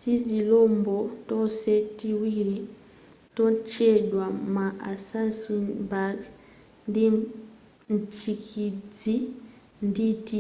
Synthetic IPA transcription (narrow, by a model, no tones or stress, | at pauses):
tizilombotosetiwiɾi | tont͡ʃedwamaʔasansibaɡ | ndi | nt͡ʃikʰid͡zi | nditi